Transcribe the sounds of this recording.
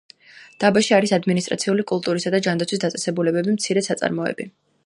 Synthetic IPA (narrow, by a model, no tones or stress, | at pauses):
d̪̥abaʃiaɾisad̪minist̪ʼɾʔa̰t̪sʰiulikʼulˠt̪ʼuɾisad̪ad͡ʒand̪at̪sʰwis̬d̪at̪sʼɛsɛbulɛbɛbimt̪sʰiɾɛsat̪sʼa̰ɾmɔɛ̰bi